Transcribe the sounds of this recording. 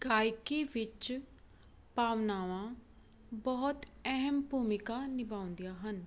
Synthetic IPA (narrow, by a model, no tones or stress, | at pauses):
ɡ̥aːjkiːʋɪt͡ʃ | paːʋnaːʋãː | bɔːt̪ | ɛɦəmbuːmɪkaːnɪbaːʊ̃nd̪ijaːɦən